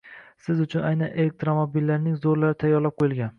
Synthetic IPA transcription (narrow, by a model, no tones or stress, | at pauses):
sɪzʊt͡ʃʰʊnajnanʔelek̚t̪ɾomobilːaɾnɪŋzoɾlaɾɪt̪ʰajːɒɾlap̚qʰojɪlˠɡʲan